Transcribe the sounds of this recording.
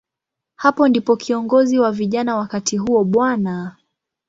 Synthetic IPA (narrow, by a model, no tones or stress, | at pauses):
hapɔndipɔkʰiɔŋɡɔziwaviʄanawakatʰiɦuɔɓwana